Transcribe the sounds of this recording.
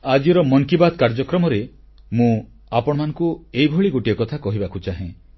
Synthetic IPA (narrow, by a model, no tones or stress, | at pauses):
ad͡ʒiɾɔmɔŋkibad̪̚kaɾd͡ʒɔkɾɔmɔɾe | mũ | apɔɽ̃ɔmanɔŋkuejbʱoɭiɡoʈiɔkɔt̪ʰakɔɦibakʰut͡ʃaɦẽ